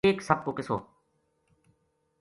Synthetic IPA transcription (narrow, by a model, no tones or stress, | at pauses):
eːksəb̚koːkɪso̰ː